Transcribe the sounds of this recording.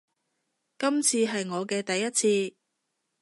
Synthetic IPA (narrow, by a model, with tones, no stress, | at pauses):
kɐ˥mt͡sʰiː˧ɦɐ˨jŋɔː˨˧kɛː˧t̪ɐ˨jːɐ˥t̚t͡sʰiː˧